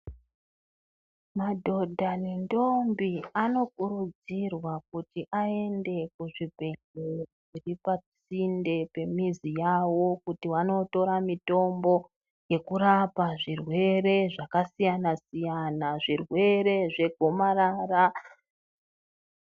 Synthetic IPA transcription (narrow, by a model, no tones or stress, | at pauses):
madʱo̞dʱanindo̞mbiano̞kuɾud͡zirwak̚utiʔae̞nde̞kuʐibʱe̞ŋɡer | iripat͡sinde̞pe̞mizijawo̞kutiwano̞to̞ɾamito̞mbo̞ | je̞kuɾapaʐirwe̞ɾe̞ʐakasijanasijanaʐirwe̞ɾe̞ʐe̞ɡʱomaɾaːra